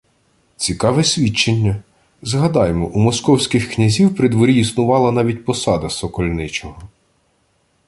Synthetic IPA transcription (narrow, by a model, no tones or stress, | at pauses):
t͡sʲikɑʋɛsʲʋʲit͡ʃːenʲːɐ | zɦɐd̪ɑjmɔʔumɔskɔwsʲkʲɪxknʲɐzʲiwpɾɪd̪ʋɔɾʲiisnʊʋɑlˠɐnɑʋʲit̚ʲpɔsɑd̪ɐsɔkɔlʲnɪt͡ʃɔɦɔ